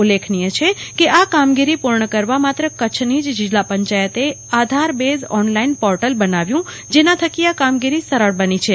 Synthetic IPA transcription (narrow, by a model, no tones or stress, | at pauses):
ulekʰnijət͡ʃʰekeʔakamɡiɾipuɾɳəkəɾʋamat̪ɾəkət͡ʃʰnid͡ʒd͡ʒɪd͡ʒlapəɲt͡ʃajət̪e | ad̪ʱaɾbezɔnlainpɔɾʈəlbənaʋjũ | d͡ʒenãt̪ʰəkiakamɡiɾisəɾəɽbənit͡ʃʰe